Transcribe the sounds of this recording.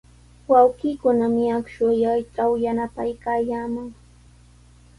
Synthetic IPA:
wawɢiːkʊnamɪakʃʊjajʈ͡ʂawjanapajkaːjaːmaŋ

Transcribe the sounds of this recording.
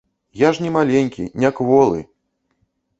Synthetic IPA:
jaʐnʲɛmalʲɛnʲkʲḭnʲakvɔlˠɨ̰

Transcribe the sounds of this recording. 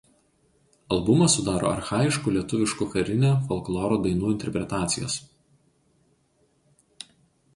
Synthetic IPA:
ɐlˠbʊmɐsʊd̪ɑːɾo̰ːɐ̰ɾxɑːjɪʃkuːlʲiɛt̪ʊʋʲɪʃkuːˑxɐɾʲɪnʲoːfɔlˠklˠɔːɾoːd̪ɐɪnuːɪnʲt̪ʲɛɾʲpʲɾʲɛt̪ɑːt̪sʲɪjo̰ːs

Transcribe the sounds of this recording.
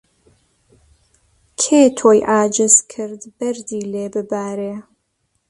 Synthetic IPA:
kʰeːt̪ʰoːjʔaːd͡ʒɨzkʰɨɾd̪bɐɾd̪iːleːbɨbaːɾeː

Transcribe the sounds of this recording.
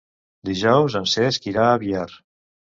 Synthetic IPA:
d̪iʒɔwzənseskiɾaːβiaɾ

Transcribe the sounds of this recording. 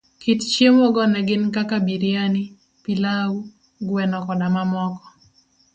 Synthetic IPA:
kɪtt͡ʃjemoɡɔnɛɡɪnkakabiɾjani | pilawu | ɡwɛnɔkɔdamamɔkɔ̥

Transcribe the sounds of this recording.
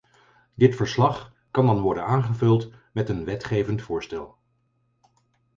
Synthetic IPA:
dɪtfəɹslɑχ | kɑndɑnʋɔɹdənaːnχəvɵlˠt | mɛtənʋɛtχejvəntfʊːɹstɛlˠ

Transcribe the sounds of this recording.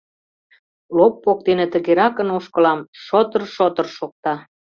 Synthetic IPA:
lopːok̚d̪enĕt̪ə̆ɣeɾɑkənoʃkə̆lɑmʃot̪ərʃot̪ə̆rʃok̚t̪ɑ

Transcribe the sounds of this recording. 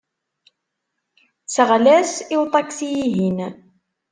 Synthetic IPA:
səʁlæsiwt̪ˤɑkθijiɦin

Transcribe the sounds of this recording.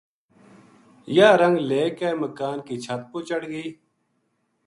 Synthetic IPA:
jaːɾəŋɡleːkeːməkaːnkiːt͡ʃʰət̪̚poːt͡ʃəɽɡiː

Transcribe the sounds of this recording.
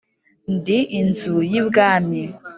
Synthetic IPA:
ndiʔinzujibɡaːmi

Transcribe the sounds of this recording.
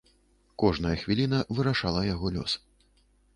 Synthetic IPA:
kɔʐnɐjɐxvʲilʲin̪ɐvɨɾaʂalˠɐjaɣɔlʲɔ̰s

